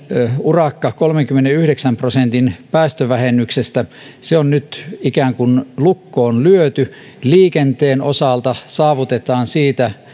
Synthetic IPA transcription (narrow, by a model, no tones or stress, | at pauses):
urɑkːɑkolmeŋkymːeneyhɾeksæmprosent̪inpæːst̪øʋæhenːˑyksest̪æ | seonnyt̪ikæːŋkunlukːoːnlyøt̪y | liːkent̪eːnosɑlt̪ɑsɑːʋut̪et̪ɑːnsiːt̪æ